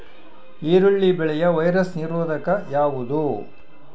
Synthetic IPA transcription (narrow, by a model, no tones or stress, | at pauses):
iːɾuɭːibɛɭɛjɐʋɐjɾɐsniɾoːd̪ɐkɐjaːʋud̪u